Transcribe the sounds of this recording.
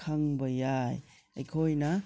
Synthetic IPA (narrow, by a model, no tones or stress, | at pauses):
kʰaŋbɐjaj | ajkʰojna